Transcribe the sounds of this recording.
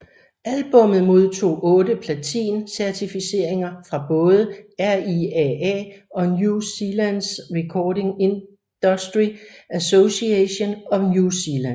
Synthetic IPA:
ælb̥ɔ̽mð̩ˠmo̝ð̞ˠt͡sʰo̝̰ːʔɔ̽ːdəpʰlæt͡sʰḭːnsæɐt͡sʰifise̝ɐ̰e̝ŋɐfʁɑ̈b̥ɔ̽ːðˠəæɐiɛɛ̰ɒ̽njusilænsʁɛkʰɒːɾe̝ŋe̝n | d̥ɒsd̥ʁiæsosieɕo̝nɒ̽njusilæn

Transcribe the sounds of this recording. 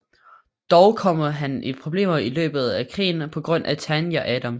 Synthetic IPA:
d̥ɒʊkʰɒ̽m̰ɐɦænʔipʰʁo̝b̥le̝̰ːmɐilø̰ːb̥ð̞̩ˠækʰʁḭːn̩pʰɒ̽ɡ̥ʁɔ̽n̰ʔæt͡sʰænjæʔæd̥æm

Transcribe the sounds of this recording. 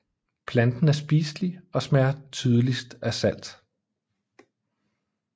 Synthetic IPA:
pʰlænd̥n̩æɐsb̥iːsliɒ̽smæɐt͡sʰyːð̞ˠəlisd̥æsæl̰d̥

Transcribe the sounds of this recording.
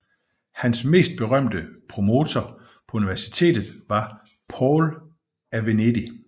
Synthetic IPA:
hænsme̝̰ːsd̥̚b̥e̝ʁɶm̰d̥əpʰʁo̝mo̝ːt͡sʰɒ | pʰɒ̽uniʋæɐsi̥t͡sʰe̝̰ːd̥ð̞̩ˠʋɑ̈ | pʰɒːl | æʋened̥i

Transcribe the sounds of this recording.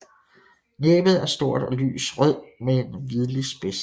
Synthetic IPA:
neːb̥ð̩ˠæɐsd̥o̝ɐ̰d̥ɒly̰ːsʁœð̰ˠmeenʋið̞ˠlisb̥es

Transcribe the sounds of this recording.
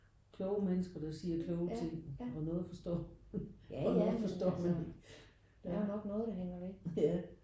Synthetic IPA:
kʰlɔ̽ʊəmenəsɡ̥ɐd̥ɑ̈siːɐkʰlɔːʊət͡st͡sʰe̝ŋ̰ɒnɔ̽ːð̩ˠfɒ̽sd̥ɒ̰ː | ɒnːðð̩ˠfɒ̽sd̥ɒ̰ːmæneɡ̥ | d̥eæonɒ̽ɡ̥nɔ̽ːðˠd̥ɑɦeŋ̰ɐde̥æ

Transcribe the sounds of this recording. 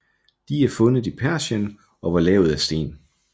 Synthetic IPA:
d̥iæɐfɔ̽nð̩ˠipʰæɐɕən | ʔɒ̽ʋɑ̈lɛ̰ːʊð̞̩ˠæsd̥e̝̰ːn

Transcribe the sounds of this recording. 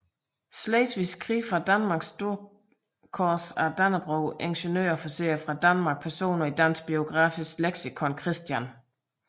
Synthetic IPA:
sleɪt͡sʋiskʰʁḭːfʁɑ̈d̥ænmɑ̈ɡ̥sd̥o̝ɐ̰ | kʰɒːsæɐd̥ænɐb̥ʁoʊʔeŋɕənø̰ːɐfɒsḛːɐfʁɑ̈d̥ænmɑ̈ːɡ̥̚pʰæɐso̝̰ːnɐid̥æn̰sɡ̥̚b̥io̝ɡ̥ʁɑ̰̈ːfisleɡ̥sikʰɒ̽nkʰʁisd̥jæn

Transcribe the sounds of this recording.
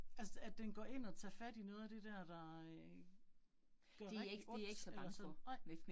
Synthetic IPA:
ælsəædd̥enɡ̥ɒ̰ːe̝n̰ɒ̽t͡sʰɑːfæd̥inɔ̽ːð̩ˠæd̥e̝d̥æɐ̰d̥ɑ̈ | d̥ɶɐ̥e̝ɛeɡe̝eɡ̥sɒb̥s

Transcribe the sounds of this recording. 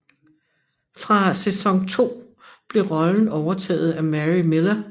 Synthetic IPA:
fʁɑ̈sesɒ̽ŋt͡sʰo̝̰ː | b̥le̝ʁɒ̽ln̩ɒʊɐt͡sʰɛ̰ːð̞̩ˠæmæʁime̝lɐ

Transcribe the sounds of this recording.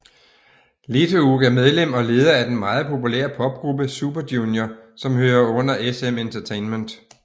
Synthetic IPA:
let͡sʰouɡ̥æɐmeð̞ˠlem̰ɒ̽le̝ːð̞ˠɐæɐd̥enmɑ̈ːð̞̩ˠpʰo̝pʰulḛɐpʰɒ̽b̥̚ɡ̥ʁub̥əsub̥ɐdjunjɐsɒ̽mhøːɐɔ̽n̰ɐʔesement͡sʰɐt͡sʰeɪnmend̥

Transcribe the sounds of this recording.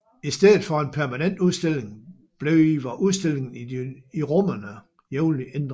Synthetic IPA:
isd̥eð̰ˠð̩ˠfɒ̽e̝npʰæɐmænen̰d̥uðˠsd̥e̝l̰e̝ŋ | b̥le̝ʊiʋɒʔuðˠsd̥e̝l̰e̝ŋn̩i̥iʁɔmɐnə | jeʊliend̥ʁ

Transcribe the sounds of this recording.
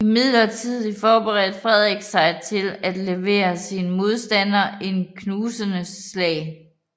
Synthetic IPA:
imið̰ˠlɐt͡sʰiðˠlifɒːb̥eʁɛ̰ːd̥fʁɛð̞ˠʁɛɡ̥sɑ̈ɪt͡sʰe̝læd̥leʋe̝̰ːɐsinəmo̝ð̞ˠsd̥æn̰ɐe̝nkʰnuːsənəlɛ̰ːɪ

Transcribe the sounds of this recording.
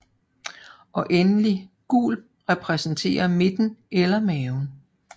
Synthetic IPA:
ʔɒ̽ʔenəliɡ̥ṵːl | ʁɛpʰʁɛsn̩t͡sʰe̝̰ːɐme̝d̥n̩ʔelɐmɛːʊn̩

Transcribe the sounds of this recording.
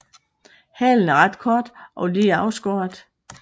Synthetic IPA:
hɛ̰ːln̩æɐʁɑd̥kʰɒːd̥ʔɒ̽liɑ̈ʊsɡ̥oːɐd̥

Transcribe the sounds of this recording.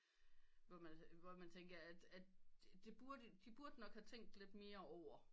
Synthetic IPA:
ʋɒmænʋɒmænt͡sʰeŋɡ̥ɐæd̥æd̥d̥e̝b̥uɐd̥əd̥ib̥uɐd̥ənɒ̽ɡ̥hæt͡sʰeŋ̰ɡ̚d̥le̝d̥me̝ːɐɒʊ̰ɐ

